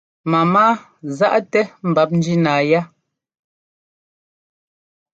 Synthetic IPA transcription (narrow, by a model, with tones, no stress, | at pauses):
ma˨maː˦ | za˦ʔtɛ˦m̩˨ba˨˦p̚n̩˦d͡ʒi˦naː˨ja˦